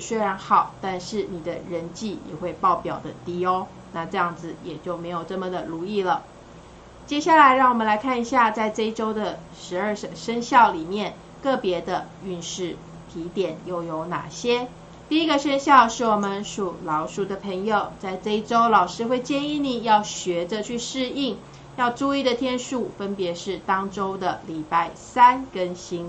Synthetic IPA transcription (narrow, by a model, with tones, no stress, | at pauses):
swe˥ɪɻa˧˥nxɑ˨˩˦ʊt̪a˥˧nʂɻ̩˥˩ni˨˩d̪ə˦ɻə˧˥nt͡ɕi˥˩jɛ̰˨˩xwe˥˧ɪpɑ˥˩ʊpjɑ˨˩ʊd̪ə˦t̪i˥o˥ʊ | na˥˧ʈ͡ʂɤ˥˧jɑ˥˩ŋd͡zɹ̩˨˩jɛ˨˩t͡ɕjo˥˩ʊme˧˥ɪjo˨˩ʊʈ͡ʂɤ˥˩mə˩d̪ə˩lu˧˥i˥˩lə˩ | t͡ɕjɛ˥ɕja˥˩la˧˥ɪɻɑ˥˩ŋwɔ˨˩mə˦nla˧˥ɪkʰa˥˩ni˧ɕja˥˧t͡sa˥˧ɪʈ͡ʂe˥˧i˥ʈ͡ʂo˥ʊd̪ə˨ | ʂɻ̩˧˥ə˞˥˧˨ʂə˥ŋɕjɑ˥˩ʊli˨˩mjɛ˥˩n | kɤ˥˩pjɛ˧˥d̪ə˧ | y˥˧nʂɻ̩˥˩ | t̪ʰi˧˥t̪jɛ˨˩njo˥˩ʊjo˧˥ʊna̰˨˩ɕjɛ˥ | t̪i˥˩i˧˥ɡə˨˧ʂə˥ŋɕjɑ˥˧ʊʂɻ̩˥˩wɔ˨˩mə˦nʂu˨˩lɑ˧˥ʊʂu˥˩d̪ə˨pʰə˧˥ŋjo˨˩ʊt͡sa˥˧ɪʈ͡ʂe˥˧i˥ʈ͡ʂo˥ʊlɑ˨˩ʊʂɻ̩˥xwe˥˧ɪt͡ɕjɛ˥˧ni˥˧ni˨˩jɑ˥˩ʊɕɥɛ˧˥də˧t͡ɕʰy˥˧ʂɻ̩˥˧i˥˩ŋ | jɑ˥˧ʊʈ͡ʂu˥˧i˥˩d̪ə˨˩t̪ʰjɛ˥nʂu˥˩fə˥npjɛ˨˧˥ʂɻ̩˥˩t̪ɑ˥ŋʈ͡ʂo˥ʊd̪ə˨li˨˩pa˥˩ɪsa˥nkə˥nɕi˥n